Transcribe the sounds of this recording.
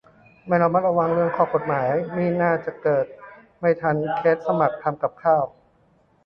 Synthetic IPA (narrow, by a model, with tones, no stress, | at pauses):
ma˥˩ɾa˦˥maː˧˥˩ɾa˧wa˧ŋɾɯ˥˩əŋkʰɔː˧˥˩ko˨˩t̪̚maː˩˦jmiː˥˩naː˥˩t͡ɕa˨˩kɤː˨˩t̪̚ | ma˥˩jt̪ʰa˧˥˩nkʰeː˦˥t̪̚sa˧ma˨˩k̚t̪ʰːa˧mka˨˩p̚kʰaː˥˩w